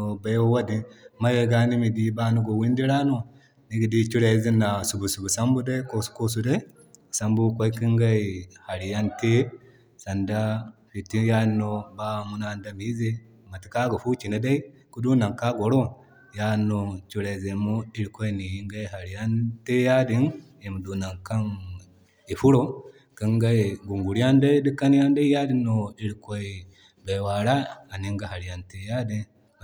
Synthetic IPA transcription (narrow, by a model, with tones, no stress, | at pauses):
o˨ba˦jwo˦wa˦di˨ma˦we˦˨ɡa˦ni˦mi˨di˦ba˦nu˦ɡo˨wi˦ndi˦ɾa˦no˨ | ni˦ɡi˨di˦t͡ʃu˦ɾe˨˦zi˦nːa˨su˨bu˨su˨bu˨sa˦mbu˦da˦i˦ko˦su̥˨˦ko˦s̬u˨da˦i˦˨ | sa˨mbu˦kʷo˦i˦ki˦ŋɡa˦i˨ha˨ɾi˨ja˦nte˦ | sa˨nda˦ɸi˨ti˦ja˦nːo˦ba˦mu˦na˦˨nda˦mi˦ze˦ | ma˨ti˦ka˦ɡa˨fu˦t͡ʃi˨na˦da˦i˦ | ku˦du˦na˨ŋka˦ɡo˨ɾo˦ | ja˦not͡ʃuɾe˨ze˨mu˦i˦ɾi˨ko˦eni˨˦ŋɡa˦eɦa˨ɾija˦nte˦ja˦di˨n | e˨mu˨du˨na˨ŋka˦n | i˨fu˦ɾo | ki˦ŋɡa˦eŋɡu˨ŋɡu˨ɾi˦a˦nde˦di˦ka˦ni˦a˦nde˦i˦ja˦di˦noi˦ɾi˨ko˦e | be˨wa˨ɾaː˦˨ni˦ŋɡa˦ha˨ɾi˨a˨nteja˦di˦